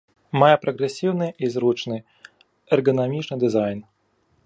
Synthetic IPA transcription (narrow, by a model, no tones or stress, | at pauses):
majɛpɾɐɣɾɛsʲiwnɨizɾut͡ʂnɨ | ɛrɡɐnamʲit͡ʂnɨd̪ɨzajn